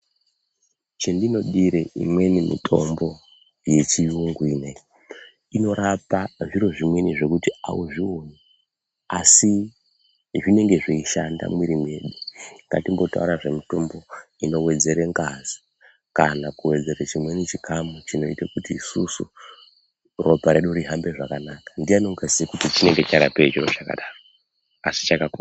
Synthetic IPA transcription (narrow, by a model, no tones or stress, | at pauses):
t͡ʃendino̞ɗiɾeḭmwe̞nimḭtʰo̞mbo̞ | je̞t͡ʃijuŋɡwiːne | ino̞ɾapaʐiɾo̞ʐimwe̞niʐe̞kutia̰wuʐione | asi | ʐine̞ŋɡe̞ʐeiʃanda̰mwiɾimue̞ɗuŋɡa̰timbo̞ta̰uɾaʐe̞mitombo̞ | ino̞we̞d͡ze̞ɾeŋɡazi | kanakuwe̞d͡ze̞ɾet͡ʃimwe̞nit͡ʃikʰamut͡ʃino̞itakutiːsusu | rʔo̞paɾe̞ɗuɾiɦambe̞ʐakanakḁndijanoŋɡasikutit͡ʃine̞ŋɡe̞t͡ʃaɾapeʐiro̞t͡ʃaka̰ɗaːro | asi̥t͡ʃakakua